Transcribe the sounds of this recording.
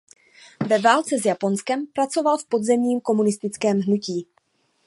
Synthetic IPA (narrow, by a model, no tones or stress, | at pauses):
vɛvaːlt͡sɛzjapo̞nskɛmpɾat͡so̞valfpo̞d̪zɛmɲiːmko̞munɪst̪ɪt͡skɛːmɦnuciː